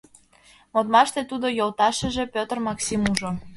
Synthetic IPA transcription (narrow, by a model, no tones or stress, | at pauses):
mot̪mɑʃt̪et̪ud̪ojolt̪ɑʃə̆ʒĕpʲøt̪ərmɑksimuʒo